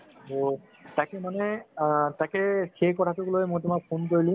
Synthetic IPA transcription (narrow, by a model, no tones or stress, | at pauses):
to | takɛmanɛtakɛxejkɔtʰatʊɡlojmojtʊmak̚pʰonkoɹilĩ